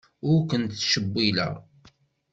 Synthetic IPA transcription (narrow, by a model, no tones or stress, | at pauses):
ʊɾkənt̪ːʃəbːilə̰ʁ